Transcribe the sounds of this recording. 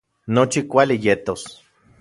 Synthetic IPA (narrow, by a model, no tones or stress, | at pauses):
not͡ʃikʷalijet̪os